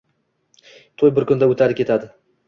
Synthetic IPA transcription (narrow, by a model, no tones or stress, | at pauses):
t̪ʰojbɪɾkʊnd̪aɵt̪ʰaɾɪkʲʰe̞t̪ʰad̪ɪ